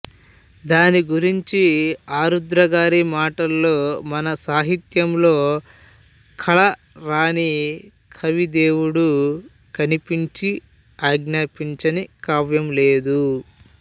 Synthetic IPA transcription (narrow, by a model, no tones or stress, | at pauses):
d̪aːniɡuɾiɲt͡ʃiaːɾud̪ɾɐɡaːɾimaːʈɐlːo̞ːmɐnɐsaːɦit̪jɐmlo̞ː | kʰɐɭɐ | ɾaːni | kʰɐʋid̪eːwuɽu | kɐnipiɲt͡ʃi | aːɡnaːpiɲt͡ʃɐnikaːʋjɐmleːd̪u